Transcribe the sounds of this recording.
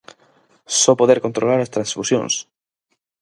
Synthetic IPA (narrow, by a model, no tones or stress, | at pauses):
sɔpoðeɾkont̪ɾolaɾast̪ɾãnsfusjõ̰ŋs